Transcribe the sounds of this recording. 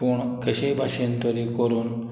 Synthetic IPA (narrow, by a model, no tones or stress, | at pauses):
uɳkeɕebʱaʃent̪ɔɾikɔɾun